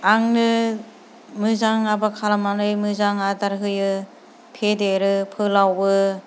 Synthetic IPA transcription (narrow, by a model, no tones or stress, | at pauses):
aŋnɯ | mɯzaŋabakʰalamanɯjmɯzaŋadaɾɦɯjɯ | pʰedeɾɯpʰɯlawbɯ